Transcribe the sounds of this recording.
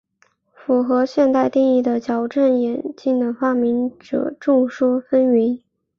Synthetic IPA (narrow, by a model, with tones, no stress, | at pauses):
fu˨˩xɤ˧˥ɕjɛ˥˧nt̪a˥˧ɪt̪i˥˧ŋi˥˩d̪ə˩t͡ɕjɑ˨˩ʊʈ͡ʂə˥˩njɛ˨˩nt͡ɕi˥˩ŋd̪ə˩fa˥mi˧˥nʈ͡ʂɤ̰˨˩˦ʈ͡ʂʊ˥˩ŋʂu˥fə˥ni˧˥n